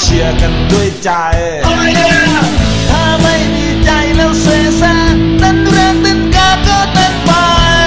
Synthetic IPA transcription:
t͡ɕʰi˨˧˩əka˧nɗu˧˩əjt͡ɕa˧j | t̪ʰaː˧˩ma˥˩jmiː˧˩t͡ɕa˨˧˩jlɛː˧˩wseː˧saː˧˩na˧˥nɾaː˧˥ŋt̪ɨ˧˥˩ŋkaː˧˩kɔː˧˩t̪a˧˩ŋpa˧

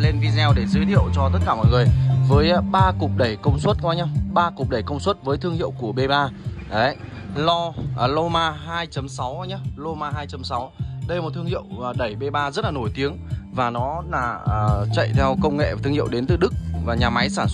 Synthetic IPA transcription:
le˧nvi˧zɛ˧wɗe˧˩zəː˨˦jt̪ʰḭ˧˨ə˨wt͡ɕɔ˧t̪ə˦˥t̚kaː˧˩mɔ̰˧˨jŋɨ˨˩əjvəː˨˦jɓaː˧kʊ˨˩k͡p̚ɗə˧˩jkə˧wŋ͡mswə˦˥t̚kɔː˧jɲa˧wɓaː˧kʊ˨˩k͡p̚ɗə˧˩jkə˧wŋ͡mswə˦˥t̚vəː˨˦jt̪ʰəŋhḭ˧˨əwku˧˩əɓe˧ɓaː˧ə˨˦ | lɔ˧˨˩lo˧maː˧ɦaː˧jt͡ɕə˨˦msa˨˦wa˧˦lo˧maː˧ɦaː˧jt͡ɕə˨˦msa˨˦wɗə˧jm˨˩t̪ʰɨ˧əhḭ˧˨əwɗə˧˩jɓe˧ɓaː˧zə˦˥t̚laː˨˩no˧˩jt̪i˨˦əŋvaː˨˩nɔ˨˦laː˨˩˨t͡ɕə̰˧˨jt̪ʰɛ˧wkə˧wŋ͡mŋḛ˧˨vaː˨˩t̪ʰɨ˧əŋhḭ˧˨wɗe˨˦nt̪ɨ˨˩ɗɨ˦˥k̚vaː˨˩ɲaː˨˩ma˨˦jsaː˧˩nsə˥

